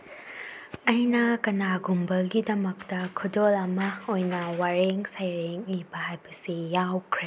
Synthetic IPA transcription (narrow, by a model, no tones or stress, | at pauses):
ɐjnɐkɐnaɡumbɐlɡidɐmɐk̚tɐkʰudolɐmɐojnɐwaɾeŋsɐjɾeŋlibɐhajbɐsijawkʰɾe